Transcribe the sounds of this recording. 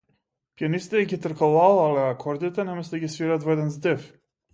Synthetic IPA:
pjanisit̪ɛɡʲit̪ɾ̩kalˠalˠalɛakʰɔɾd̪it̪ɛnɛmɛsd̪ɛɡʲisviɾat̪vɔɛd̪ɛnzd̪ɛf

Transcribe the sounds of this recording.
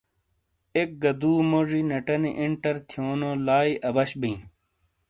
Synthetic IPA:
ek̚ɡɐd̪uːmoʐiːnɐʈɐniʔiɳʈɐɾt̪ʰijoːnoːlaːiʔɐbɐɕbĩː

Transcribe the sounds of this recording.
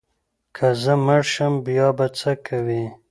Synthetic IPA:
kʰazəməɽʃəmbijɑbat͡səkʰawi

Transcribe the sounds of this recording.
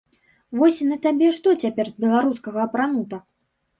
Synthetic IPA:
vɔsʲinɐt̪abʲɛʂt̪ɔt͡sʲapʲɛrzbʲɛlˠaɾuskɐɣɐːpɾanut̪ɐ

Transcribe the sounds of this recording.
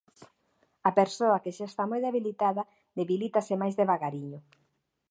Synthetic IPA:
apeɾsoakeʃaest̪amojðeβilit̪aða | d̪eβilit̪asemajzðeβaɣaɾiɲʊ

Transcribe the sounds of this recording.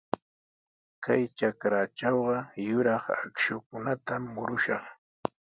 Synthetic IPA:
kajt͡ʃakɾat͡ʃɑwɢɑjʊɾɑχa̰kʃʊkʊnat̪amːʊɾʊʃɑχ

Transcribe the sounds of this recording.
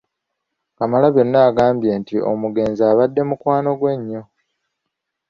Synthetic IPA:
kamalaβjo̞nːaːɡaːmbje̞ːntio̞̰muɡe̞ːnziaːβadːe̞mukwaːno̞ɡwe̞ɲːo̞

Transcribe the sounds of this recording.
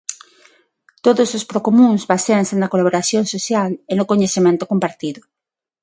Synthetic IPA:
t̪oðʊsospɾokomũŋzβaseaŋsenɐkolaβoɾaθjoŋsoθjalenʊkoɲesθemẽnt̪o̥kompaɾt̪iðʊ

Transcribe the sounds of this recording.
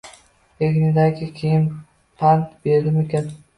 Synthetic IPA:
eɡʲnɪd̪aɡʲɪkʲʰejɪn | pʰant̪be̞ɾd̪ɪmekʲan

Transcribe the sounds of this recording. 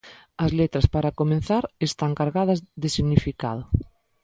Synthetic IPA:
ɐzlet̪ɾaspaɾakomẽn̟θaɾest̪aŋkaɾɣaðɐzðɪsiɣnifika̰ð̞ʊ

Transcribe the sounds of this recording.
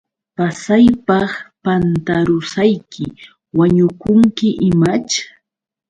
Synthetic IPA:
pasajpɑχpant̪aɾʊsajkʰɪ | waɲʊkʊŋkɪʔɪmat͡ʃ

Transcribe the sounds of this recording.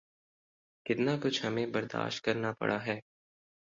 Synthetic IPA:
kɪt̪nakʊt͡ʃʰhɐmẽbɐɾd̪a̰ːʃt̚kɐɾnapɐ̰ɽʔaɦɛː

